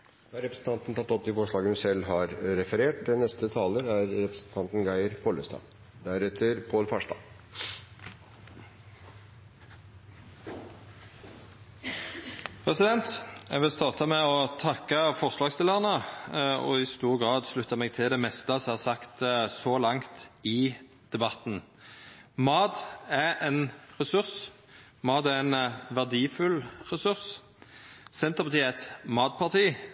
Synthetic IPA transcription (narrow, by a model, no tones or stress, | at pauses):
d̪æɾɛpɾəsn̩t̪ɑnt̪n̩t̪ʰɑt̪ːɔp̚d̪ɪfɔʂɭɑːɡəhʉnsɛlːɦɑɾɾɛfəɾeːʈ̚d̪ɪnɛst̪ət̪ʰɑːləɾæɾɾɛpɾsn̩t̪ʰɑnt̪n̩ɡæɪəɾpʰɔləst̪ɑ̰ː | d̪æɾɛt̪ʰəɾpʰoːlfɑʂt̪ɑ̰ː | pʰʁɛsɪd̪ɛnt̪jæ̰ɡʋɪlst̪ɑːʁt̪ɑmɛɔt̪ʰɑkːəfɔʁslɑːɡst̪ɪləʁənə | ɔ̰ɪst̪uːʁɡʁɑːd̪ʃlʉt̪ːɑmɛːɡ̚t̪ʰɪld̪ɛmɛst̪əshɑːʁsɑkt̪sɔlɑŋt̪ɪ | d̪̥ɛbɑt̪n̩ | mɑːd̪ɛʔɛnʁɛsʉʁs | mɑːd̪æɛnʋæʁd̪iːfʉlʁɛsʉʁs | sɛnt̪əʁpɑt̪ʰiːɛɛt̪mɑːd̪̚pʰɑʁt̪ʰiː